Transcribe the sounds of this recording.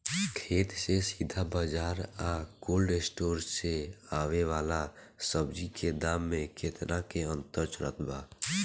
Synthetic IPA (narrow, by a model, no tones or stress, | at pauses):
kʰeːt̪sesid̪ʱabad͡ʒaːɾakoːlɖesʈoːɾseaːʋeʋaːlasəbd͡ʒikʰed̪aːmːẽkɪt̪nakeə̃nt̪əɾt͡ʃɾə̰t̪ʰbaː